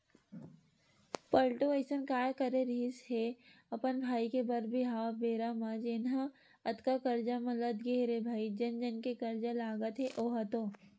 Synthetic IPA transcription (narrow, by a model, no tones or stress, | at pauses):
pəlʈoesənkaːjkɐɾeɾiːsɦeɐpənbʱaːikebɐɾbiɦaːabeːɾamɐ̃d͡ʒɪnɦã | ɐt̪kakɐɾd͡ʒamɐləd̪ɡeːɾebʱaːid͡ʒɐnd͡ʒənkekɐɾd͡ʒalaːɡət̪ɦeʔoːɦɐt̪oː